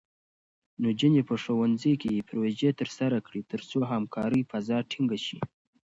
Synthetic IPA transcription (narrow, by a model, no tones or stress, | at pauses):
nod͡ʒənepəʂowanzəjkejepɾwed͡ʒet̪əɾsaɾakɽit̪əɾt͡soɦamkʰɑɾəjfazɑʈʰiŋɡaʃḭ